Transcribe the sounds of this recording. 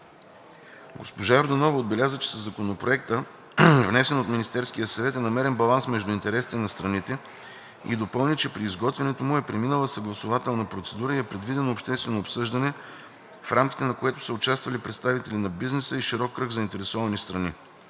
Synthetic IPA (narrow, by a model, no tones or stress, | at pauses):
ɡospoʒaɛɾd̪ɐnɔvɐod̪̚bɛlʲazət͡ʃɛ̥sɐzːɐkonopɾoɛkt̪ə | vnɛsɛnot̪minist̪ɛɾskijəsɐvɛt̪ɛnɐmɛɾɛnbɐlˠansmɛʒd̪ʊint̪ɛɾɛsi̥t̪ɛnɐst̪ɾɐnit̪ɛ | ḭd̪opɤlˠnʲit͡ʃɛpɾiːzɡɔt̪vɛnɛt̪omʊɛpɾɛminəlˠəsɐɡlˠɐsʊvat̪ɛlˠnɐpɾot̪sɛd̪uɾəiɛpɾɛd̪vid̪ɛnoopʃt̪ɛst̪vɛnoːpsɤʒd̪ɐnɛ | fɾʔamkʲi̥t̪ɛnɐkoɛt̪ʊ̥səʊt͡ʃast̪vɐlipɾɛt̪st̪avit̪ɛlinɐbiznɛsəiʃiɾɔkːɾɤɡzɐint̪ɛɾɛsɔvɐnist̪ɾɐni